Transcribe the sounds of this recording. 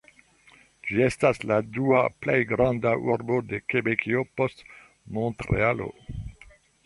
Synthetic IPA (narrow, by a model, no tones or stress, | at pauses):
d͡ʒie̞stasladuaplejɡɾandaʔuɾbode̞kebekʰiopost | mõntɾḛalo̰